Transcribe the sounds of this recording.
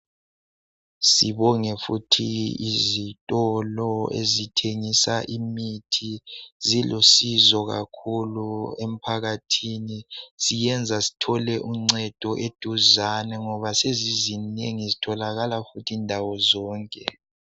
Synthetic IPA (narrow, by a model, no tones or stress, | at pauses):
siβɔŋɛfutʰiizitʼɔlɔḛzitʰeŋisaʔimitʰizilosizɔɣa̰kʰuluem̩pʰaɣatʰinisijɛnd͡zʱasi̥tʰɔlɛʔuŋ͡ǀɛd̥ʱɔʔed̥ʱuzanɛŋɔβasezizineŋizitʰɔlaɣalafutʰiːndʱawɔzɔːŋkʼɛ